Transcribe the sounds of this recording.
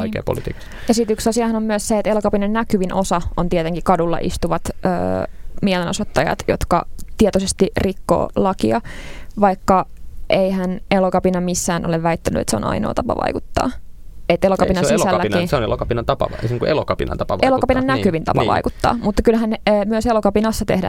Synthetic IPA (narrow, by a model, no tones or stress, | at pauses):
oikḛːpo̰lit̪ḭːkɑ̥sjɑsit̪yksɑsiɑhɑnommyəsseet̪elokɑpinɑnnækyʋinʔosɑont̪iet̪eŋkikɑdulːɑ̰ʔḭst̪uʋɑt̪ø̰ːmielenosot̪ːɑjɑ̰t̪jo̰t̪kɑ̰t̪iet̪osest̪irikːo̰ːlɑkiɑʋɑikːɑʔeihænelokɑpinɑmisːæːnʔo̰leʋʋæit̪ːæny̰ḛt̪seo̰nɑ̰ino̰ːt̪ɑpɑ̰ʋɑ̰ikut̪ːɑ̰ːet̪elokɑpinɑsisælːiniseonelokɑpinɑnt̪ɑpɑ̰ʋɑ̰niːŋkuʔḛlokɑpinɑ̰nt̪ɑpɑʋɑʔeloɑpinɑnnækyʋint̪ɑ̰npɑʋɑ̰ikut̪ːɑ̰ːmut̪ːɑ̥kylhænːmyøselokɑpinɑsːɑt̪ḛhdæ̰